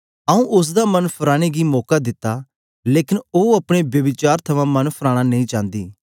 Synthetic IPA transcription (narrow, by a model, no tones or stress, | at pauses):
əũʔʊs̬d̪amɐnpʰəɾaːɽ̃eɡiːmɔːkad̪ɪt̪ːaː | leːkɪnoɐpɽ̃ebjəbɪt͡ʃaːɾt̪ʰɐʋãːmɐnpʰəɾaːɽ̃anɐĩːt͡ʃãːnd̪ḭː